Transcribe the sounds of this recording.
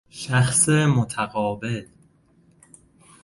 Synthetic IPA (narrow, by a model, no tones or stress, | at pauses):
ʃæxseːmot̪ʰæɣɒːbel